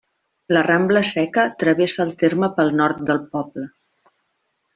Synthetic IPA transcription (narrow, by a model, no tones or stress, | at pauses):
lərambləsɛkət̪ɾəβesəːlˠt̪eɾməpəlˠnɔɾt̪̚d̪əlˠpɔblə